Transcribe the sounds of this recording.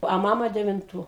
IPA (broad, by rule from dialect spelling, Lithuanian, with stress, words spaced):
ɐ ˈmɑːmɐ dʲɛʋʲɪnˈtuː